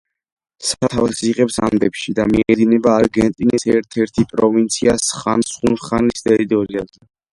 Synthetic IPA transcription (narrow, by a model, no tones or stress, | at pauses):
sat̪ʰavsiʁɛpsa̰md̪ɛpʃid̪amiɛd̪inɛbaːɾɡɛnt̪ʼinisɛɾt̪ʰɛɾt̪ʰipʼɾɔvint̪sʰiasχansχunsχanist̪ʼɛɾit̪ʼɔɾiazɛ